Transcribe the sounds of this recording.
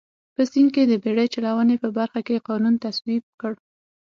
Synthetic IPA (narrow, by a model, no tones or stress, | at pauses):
pəsinked̪əbeɽəjt͡ʃalawənepəbaɾxakeqɑnunt̪aswib̚kəɽ